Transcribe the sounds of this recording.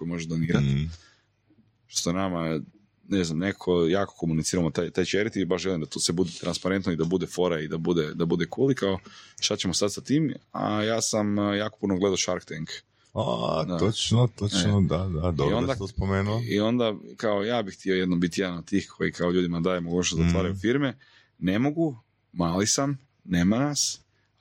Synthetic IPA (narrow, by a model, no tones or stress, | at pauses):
kojimo̞ʒed̪oniːɾat̪ | t̪onama | neznamnekakʰo̞jaːko̥ko̞munit̪siːɾamot̪ajt̪ajt͡ʃeɾit̪ibaʃʒelimd̪at̪osʋebud̪et̪ɾanspaɾe̞nt̪noid̪abud̪efo̞ɾaid̪abud̪ed̪abud̪e̞kʰuːlikaoʃt̪at͡ɕemost̪at̪sat̪iːma̰jaːsamjaːkopunoɡle̞d̪aoʃaɾkt̪eŋk | ad̪aot͡ʃnot̪onod̪ad̪ad̪oɾond̪at̪ospomeːnuio̞nd̪akaojaːbixt̪io̞jed̪nombit̪ijed̪anod̪̚t̪iːxkʰo̞jikʰaoʎuːd̪imad̪aːjemoɡuːt͡ɕnost̪zat̪ʋaːɾajufiɾme | ne̞mo̞ɡu | maːlisam | neːmanas